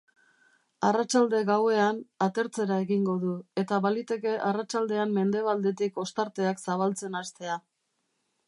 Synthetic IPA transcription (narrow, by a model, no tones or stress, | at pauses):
arat͡ʃald̪e̞ɣawe̞anat̪e̞ɾt͡se̞ɾae̞ɣiŋɡo̞ðue̞t̪aβalit̪e̞ke̞ʔarat͡ʃald̪e̞amme̞nd̪e̞β̞ald̪e̞t̪iko̞st̪aɾt̪e̞aksaβalt͡se̞nast̪e̞a